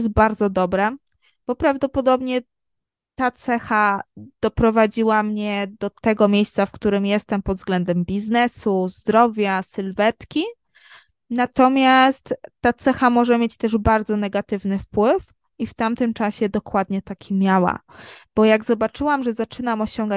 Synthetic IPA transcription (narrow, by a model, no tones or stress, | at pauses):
s̬t̪̚baɾd̪zɔd̪ɔbɾɛ | b̥ɔpɾavd̪ɔpɔd̪ɔbɲɛ | t̪at̪sɛxad̪̥ɔpɾɔvad͡ʑiwamɲɛd̪ɔt̪ɛɡɔmʲejst̪safkt̪uɾɘmjɛst̪ɛmpɔd̪vzɡlɛnd̪ɛmbʲiznɛsuzd̪ɾɔvʲjasɘlvɛt̪kʲi | nat̪ɔmʲjast̪ːat̪sɛxamɔʐɛmʲjet͡ɕt̪ɛʐbaɾd̪zɔnɛɡat̪ɘvnɘfpwɘf | ift̪amt̪ɘmt͡ʂaɕɛd̪ɔkwad̪ɲɛt̪akʲʰimʲjawa̰b̥ɔjaɡzɔbat͡ʂɘwamʐɛzat͡ʂɘnamɔɕɔŋɡa